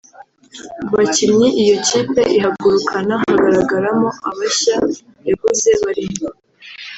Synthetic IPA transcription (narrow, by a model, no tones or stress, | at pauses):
βacimɲiʔijo̞ciːpe̞ʔiɦabɡuɾukʰanahhaɡaɾaɡaɾamoaβaɕa | jaβuze̞βaɾimo